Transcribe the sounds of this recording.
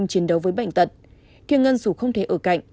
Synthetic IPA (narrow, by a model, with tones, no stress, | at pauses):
ŋ͡mt͡ɕi˨˦ənɗə˨˦wvəː˨˦jɓa̰˧˨jŋ̟t̪ə˨˩t̚ | t̪ʰi˧əŋə˧nsu˧˩xə˧wŋ͡mt̪ʰe˧˩ʔəː˧˩ka̰˧˨jŋ̟